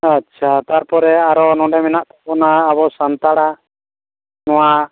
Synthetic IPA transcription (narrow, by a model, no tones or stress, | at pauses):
at͡ʃʰat̪aɾpɔɾɛaɾɔnɔ̃ɖɛmɛnaʔt̪apɔnaːbɔsant̪aɽa | nɔwa